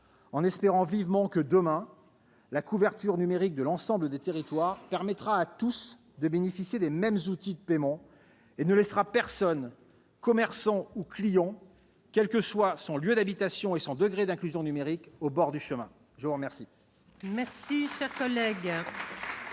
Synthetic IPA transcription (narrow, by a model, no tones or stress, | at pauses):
ɑ̃nɛspeʁɑ̃vivmɑ̃kəd̪əmɛ̃ | lakuvɛʁt̪yʁnymeʁik̚d̪əlɑ̃sɑ̃bləd̪et̪eʁit̪waʁpɛʁmɛt̪χaːt̪us | d̪əbenefisjed̪emɛmzut̪id̪əpemɑ̃ | enəlɛsʁapɛʁsɔn | kɔmɛʁsɑ̃uklijɑ̃ | kʲɛlkəswasɔ̃ljød̪abit̪asjɔ̃esɔ̃d̪əɡʁed̪ɛ̃klyzjɔ̃nymeʁikobɔʁd̪yʃəmɛ̃ | ʒəvuʁmɛʁsi | mɛʁsiʃɛʁkɔlɛɡ